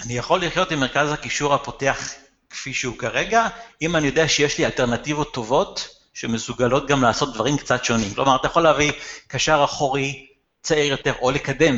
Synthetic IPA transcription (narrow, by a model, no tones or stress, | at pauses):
anijaχo̞lːiχjo̞timːeʁkazhakiʃuʁhapo̞te̞aχ | kfiʃeukaʁe̞ɡaimanijo̞deaʃejeʃlialte̞ʁnativo̞t̪ːo̞vo̞t | ʃemesuɡalo̞t̚ɡamlaːso̞t̪̚d̪vaʁimkt͡satʃo̞nimklo̞maʁat̪ajaχoleavikaʃaʁaχoʁi | t͡saiʁjo̞te̞ʁo̞lekade̞m